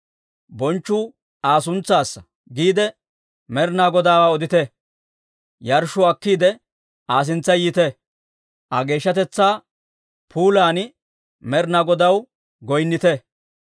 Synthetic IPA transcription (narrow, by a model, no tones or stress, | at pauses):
bɔnt͡ʃːʊ | aːs̬ʊnt͡sːaːsːɐ | ɡiːd̪ɛ | mɛɾnaːɡɔd̪aːwaːɔd̪ɪt̪ɛ | jɐɾʃʊɐkːiːd̪ɛ | aːs̬ɪnt͡sːɐjɪt̪ɛ | ʔɐɡe̞ːʃːɐt̪ɛt͡sːaː | pʰuːlaːn | mɛɾnaɡɔd̪ɐw | ɡɔjnːɪt̪ɛ